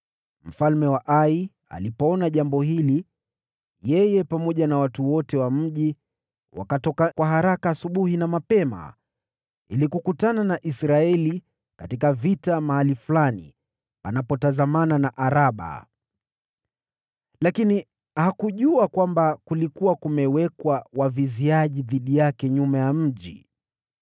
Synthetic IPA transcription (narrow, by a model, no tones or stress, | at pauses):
m̩falmɛwaʔai | a̰lipɔɔnaʄambɔhili | jɛjɛpamɔʄanawatuwɔtɛwam̩ʄi | wa̰katɔkakwaɦaɾakaːsuɓuhinamapɛma̰ | ḭlikukutananaʔisɾaɛli | katikavitamahaliflanḭ | pa̰napɔtazamananaʔaɾaɓa̰ | lakini | hakuʄuakwambakulikuwakumɛwɛkwawaviziaʄiðiɗijakɛɲumajam̩ʄi